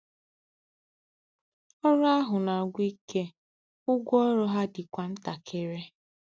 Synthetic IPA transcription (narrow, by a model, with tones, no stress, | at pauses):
ɔ˦ɾa˦ɦʊ˨na˨ɡʷi˦kʰe˦ | ʊ˦ɡʷɔ˦ɾɔ˦ɦa˦dɪ˨kʷa˨n̩˦ta˨kʰe˦ɾe˦